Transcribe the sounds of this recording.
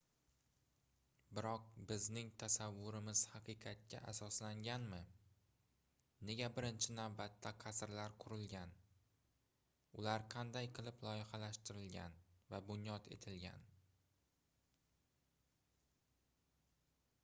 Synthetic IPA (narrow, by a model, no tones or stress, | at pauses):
bɪɾɒq̚bɪznɪŋt̪ʰasavːʊɾɪmɪz̥hɑqʰɨqʰɑt̪̚kʲʰa̰ʔasɒslaŋɡʲanmɪ | ne̞ɡʲabɪɾɪnt͡ʃʰɪnavbat̪ʰːaqʰɑsɾlaɾqʰʊɾɪlɡʲan | ʊlaɾqʰɑnd̪ajqʰɨlˠɪplˠɒjɪχɑlaʃt̪ɪɾɪlɡʲa̰nvabʊnjɒt̪e̞̰t̪ʰɪlɡʲa̰n